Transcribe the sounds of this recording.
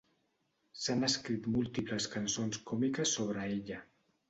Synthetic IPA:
sanəskɾit̪mulˠt̪ipləskənsonskɔmikəsːoβ̞ɾəeʎə

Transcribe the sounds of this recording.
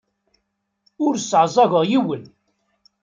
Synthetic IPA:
ʊɾsʕzˤɑɣəʁjiwən

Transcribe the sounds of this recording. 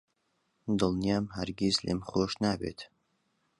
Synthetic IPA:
d̪ɨlˠnijaːmɦɐɾɡʲizlḛmχoːʃnaːbḛt̪ʰ

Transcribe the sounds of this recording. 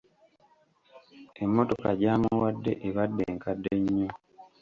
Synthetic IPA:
emːo̞to̞kaɟaːmuwadːe̞̰ʔeβadːḛːŋkadːe̞ɲːo

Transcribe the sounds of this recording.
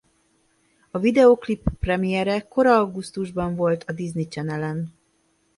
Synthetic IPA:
ɒvid̪ɛoklipːrɛmijɛɾɛko̞ɾɒɒɡust̪uʒbɒɱvo̞lt̪ʰɒd̪iznit͡ʃɛnɛlɛn

